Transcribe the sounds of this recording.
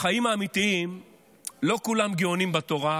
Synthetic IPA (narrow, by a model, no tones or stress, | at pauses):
χajimaːmit̪iim | lo̞kulamɡeonimbat̪o̞ʁa